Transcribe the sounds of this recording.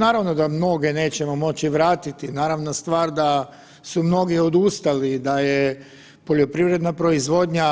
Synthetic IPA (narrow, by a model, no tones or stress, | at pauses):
naːɾaʋno̞d̪amno̞ɡe̞ne̞ːt͡ɕe̞mo̞mo̞t͡ɕiʋɾaːt̪it̪inaːɾaʋnost̪ʋaːɾd̪a | sumno̞ɡio̞d̪ust̪alid̪aje | po̞ʎo̞pɾiʋɾe̞d̪napɾo̞izʋo̞d̪ɲa